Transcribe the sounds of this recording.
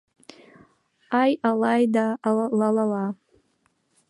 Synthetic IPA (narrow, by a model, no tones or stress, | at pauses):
ajalajdalalala